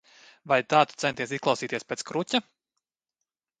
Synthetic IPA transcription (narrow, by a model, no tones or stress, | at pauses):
vajt̪aːt̪u̥t̪sɛnt̪iɛsisklˠawsiːt̪ʲiɛspeːt̪kɾucʲa